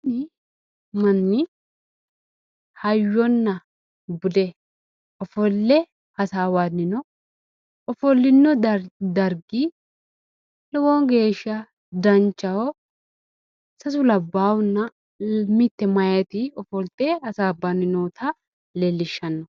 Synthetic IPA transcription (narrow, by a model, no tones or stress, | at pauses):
nɪ | mɐnːɪ | hɐjːɔnːɐ | bʊd̪ɛ | ɔfɔlːɛ | hɐsaːwanːɪnɔ | ɔfɔlːɪnːɔd̪ɐɾɡi | lɔwɔŋɡe̞ːʃːɐ | d̪ɐnt͡ʃːɐwɔ | sɐs̬ʊlɐbːaːwɔnːɐ | mɪt̪ːɛmɐjɛt̪ɪɔfɔlt̪eːhɐsaːbːɐnːɪnoːt̪ʰɐ | lelːɪʃːɐnːɔ